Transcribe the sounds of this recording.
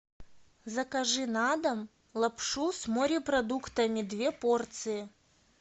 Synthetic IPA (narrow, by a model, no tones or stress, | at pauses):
zɐkɐʐɨnad̪ɐm | lˠɐpʂusmoɾʲɪprɐd̪ukt̪ɐmʲɪd̪vʲepo̞rt̪sɨjɪ